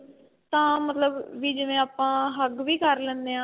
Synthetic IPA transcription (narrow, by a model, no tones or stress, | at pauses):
t̪ãːmət̪ləbʋiːd͡ʒəʋẽːaːpãːɦəɡʋiːkəɾlɛ̃ːnd̪eːãː